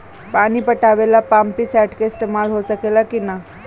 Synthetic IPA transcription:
paɽ̃iːpəʈaʋelapampiːsɛʈkeist̪emalɦot͡sakelakina

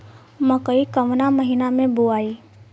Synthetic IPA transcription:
məkəikəʋnaməɦinamẽbuaːiː

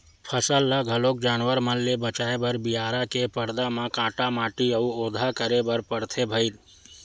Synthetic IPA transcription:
pʰəsəlːəɡʱəloːk̚d͡ʒaːnwəɾməlːebət͡ʃaːebəɾbijaːɾakepəɾd̪amãkãːʈamaːʈiəuoːd̪ʱakəɾebəɾpəɽt̪ʰebʱəɪl

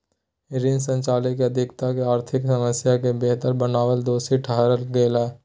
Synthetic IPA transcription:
ɪɾɪnsə̃nt͡ʃaːlɪkːeɐd̪ʱɪkt̪akeaːɾt̪ʰɪksɐməsjakebeɦt̪əɾbənaːʋəld̪oːsiʈʰəɦɾəlɡeːlɛː

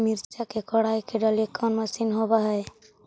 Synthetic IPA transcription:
miɾt͡ʃakekɔɽajkʰeɖɔlikːanmasinɦɔbaɦɔe

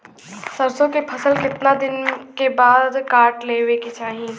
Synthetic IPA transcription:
səɾsõkepʰəsəlkɪt̪nad̪ɪnkebaːd̪kaːɾʈleːʋeket͡ʃaːɦĩ

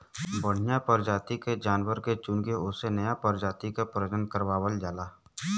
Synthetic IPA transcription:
bəɽ̤ɪjapəɾd͡ʒaːt̪iked͡ʒaːnwəɾket͡ʃʊnɡeʊsenəjapəɾd͡ʒaːt̪ikapɾəd͡ʒənkəɾwaːwəld͡ʒaːlaː

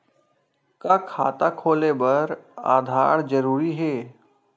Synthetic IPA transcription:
kakʰaːt̪akʰoːlebɐɾa̰ːd̪ʱa̰ːɾd͡ʒəɾuːɾiɦɛː

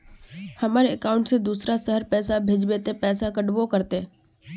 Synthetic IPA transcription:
hɐmaːɾeəkaːʊ̃ɳʈsed̪uːsɾasəɦəɾpɛːsabʱed͡ʒbeːt̪epɛːsakəɖbokɐɾt̪e

